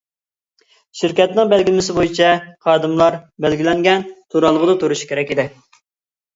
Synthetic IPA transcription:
ʃɪɾkʲɛt̪nɪŋbɛlɡʲɪlmɪsɪbojit͡ʃʰɛqɑːd̪ɨmlˠɑɾbælɡʲilɛŋɡʲɛnt̪ʰuɾɑlˠəʁəd̪ɑt̪ʰuɾuʃkʲʰeɾɛkʲid̪ɪ

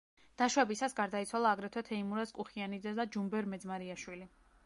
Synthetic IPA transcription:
d̪̥aʃwɛbisasɡaɾd̪ait̪sʰwalˠaːɡɾɛt̪ʰwɛt̪ʰɛimuɾaskʼuχianid̪zɛd̪ad͡ʒumbɛɾmɛd̪zmaɾiaʃwili

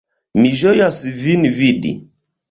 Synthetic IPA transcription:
miʒojasivinvidḭ

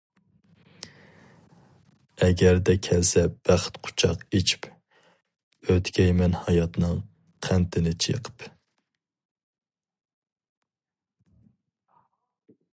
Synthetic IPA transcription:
ɛɡʲɛɾd̪ɛkʲʰɛlsɛb̥æχt̪qʰʊ̥t͡ʃʰɑqet͡ʃʰi̥p | øt̪kʲʰɛjmɛnhɑjɑt̪nɨŋ | qʰænt̪ʰɪnɪt͡ʃʰḛqʰə̥p

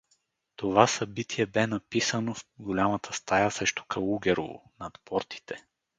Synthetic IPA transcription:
t̪ovasɐbit̪ʰiɛbɛnɐpisənofɡolʲamɐt̪ʰəst̪ajəsɾɛʃt̪o̥kʰɐluɡʲɛɾo̰vo̰nɐt̪pɔɾt̪i̥t̪ʰɛ

